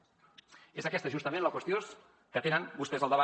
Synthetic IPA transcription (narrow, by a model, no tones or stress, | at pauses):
ezəkɛst̪əʒust̪əmẽnləkwəst̪jos | kət̪enənbust̪ɛzəlˠd̪əβa